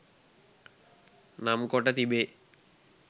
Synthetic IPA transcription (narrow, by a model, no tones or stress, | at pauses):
namkɔʈat̪ibe